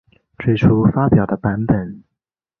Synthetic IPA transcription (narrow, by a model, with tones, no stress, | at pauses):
ʈ͡ʂwe˥ɪʈ͡ʂʰu˥fa˥pjɑ˨˩ʊd̪ə˦pa˧˥npə˨˩˦n